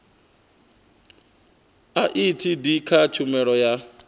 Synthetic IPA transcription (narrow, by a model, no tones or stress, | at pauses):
aʔitʰidikʰat͡ʃʰumɛɺɔja